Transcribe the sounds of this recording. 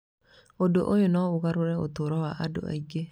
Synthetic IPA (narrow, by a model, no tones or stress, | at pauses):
odoʔojonɔoɣaɾoɾɛo̰toɾɔwaʔado̰a̰iɡe